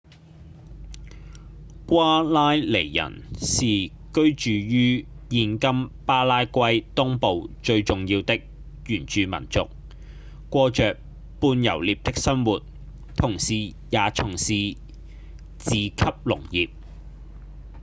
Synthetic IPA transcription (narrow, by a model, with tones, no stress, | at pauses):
kʷwaː˥laː˥jle˨˩jːɐ̰˨˩nsiː˨˩ | kɵ˥ɥt͡ʃyː˨jyː˥ | jiː˧nkɐ˥mpaː˥laː˥jkʷɐ˥jt̪ʊ˥ŋpo˨˧wt͡ʃɵ˧ɥt͡sʊ˨ŋjiː˧wt̪ɪ˥k̚ | jyː˨˩nt͡ʃyː˨mɐ̰˨˩nt͡sʊ˨k̚ | kːʷɔː˧t͡ʃœː˨k̚ | puː˧njɐ̰˨˩wliː˨p̚t̪ɪ˥k̚sɐ˥nwuː˨t̚ | t̪ʰʊ˨˩ŋsiː˨ | jaː˨t͡sʰʊ˨˩ŋsiː˨ | t͡siː˨kʰɐ˥p̚lʊ̰˨˩ŋjiː˨p̚